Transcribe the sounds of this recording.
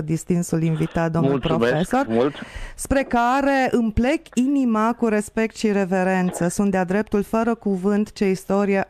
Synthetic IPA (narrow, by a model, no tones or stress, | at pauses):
d̪ist̪insulinvit̪at̪̚d̪o̞mnulpɾoeso̞rult̪spɾe̞kaɾe̞ʔɨmple̞kinimakuɾe̞spe̞k̚t̪ʃiɾe̞ve̞ɾe̞nt̪səsunt̪d̪ead̪ɾe̞p̚t̪ulfəɾəkuvɨnt̪t͡ʃe̞ist̪o̞ɾie